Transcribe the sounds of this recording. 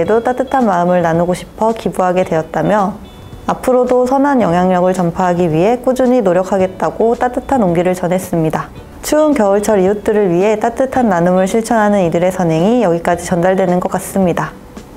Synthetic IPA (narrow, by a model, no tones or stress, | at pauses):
edot͈at͈ɯtʰanmaɯmɯɭnanuɡoɕʰi̥pʰʌkibuɦaɡe̞dwe̞jʌt̚t͈amjʌ | apʰɯɾodosʰʌnɦanjʌŋɦjaŋɲʌɡɯɭt͡ɕʌmpʰaɦaɡiɥiɦe̞k͈ud͡ʑuɲinoɾjʌkʰaɡe̞t̚t͈aɡ̥ot͈at͈ɯtʰanoŋɡiɾɯɭt͡ɕʌnɦes͈ɯmɲida | t͡ɕʰuːnkjʌɯɭt͡ɕʰʌɾijut͈ɯɾɯɭɥiɦe̞t͈at͈ɯtʰanːanɯmɯɭɕʰiɭt͡ɕʰʌnɦanɯnidɯɾe̞sʰʌnɦe̞ŋijʌɡik͈ad͡ʑit͡ɕʌndaɭdwe̞nɯnɡʌk͈as͈ɯmɲida